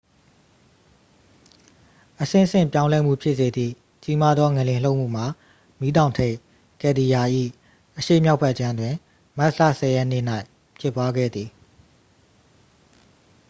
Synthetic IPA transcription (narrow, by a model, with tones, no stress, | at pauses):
ʔəsɪ̰̃˦˨sɪ̰̃˦˨mpjã˦ʊ̃lɛ˦m̥ṵ˦˨pʰɪ˦ʔs̬e˨d̪ðḭ˦˨ | t͡ɕi˦ma˦d̪ðɔ˦ŋɛ˨lɪ̃˨l̥o˦ʊʔm̥ṵ˦˨m̥a˨ | mi˨˦dã˨ʊ̃ntʰe˦˨ | kɛ˨d̪i˨ja˨ʔḭ˦˨ | ʔəʃḛ˦˨mja˦ʊpʰːɛ˦˨ʔt͡ɕã˦ndwɪ̃˨ | ma˦ʔlä̰˦˨sɛ˨jɛ˦nḛ˦˨n̥a˦ɪ | pʰjɪ˦˨pːwa˦ɡɛ̰˦˨d̪ði˨